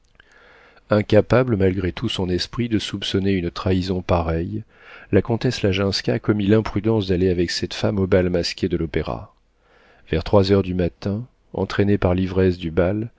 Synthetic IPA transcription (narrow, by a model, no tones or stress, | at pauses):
ɛ̃kʲapabləmalɡʁet̪ʰusɔ̃nɛspχid̪əsupsɔneynt̪χaizɔ̃paʁɛj | lakɔ̃t̪ɛslaʒɛ̃skʲakɔmilɛ̃pχyd̪ɑ̃sd̪aleavɛksɛt̪famobalmaskʲed̪əlɔpeʁa̰ | v̥ɛʁt̪χwazœʁd̪ymat̪ɛ̃ | ɑ̰̃t̪χenepaʁlivʁɛsd̪ybal